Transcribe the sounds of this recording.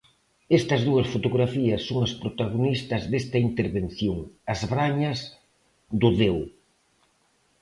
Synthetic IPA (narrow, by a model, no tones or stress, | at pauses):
est̪ɐzðuɐsfot̪oɣɾafiɐsːoŋɐspɾot̪aɣ̞onist̪ɐzðest̪ɐint̪eɾβen̟θjoŋɐzβɾaɲɐs | ðʊðew